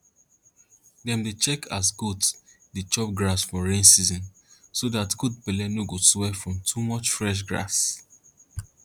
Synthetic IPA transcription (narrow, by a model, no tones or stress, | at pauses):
dɛ̃mdet͡ʃɛkʰasɡud | dit͡ʃɔp̚ɡɹasfɔɹẽnsizɔ̃n | sodatɡud̚pɛlɛnoɡoswɛfɹɔ̃mtʰumɔt͡ʃfɹɛʃ̬ɡɹa̰s